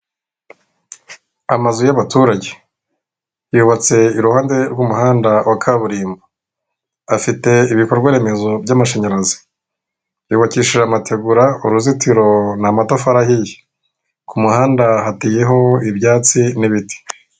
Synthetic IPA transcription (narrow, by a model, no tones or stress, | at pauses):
amazujaβatuːɾaɟe̞ | juːβat͡se̞iɾuhaːnde̞ɾɡumuhaːndawʔakʰaβuɾiːmbo | afite̞iβikoɾɡwaɾe̞me̞zo̞bɟamaʃeɲaɾazi̥ | juːβaciːʃiʒamatʰe̞ɡuɾauɾuzitiɾo̞namatofaɾahije | kumuhaːndahateje̞ɦo̞ibjaːt͡siniβiti̥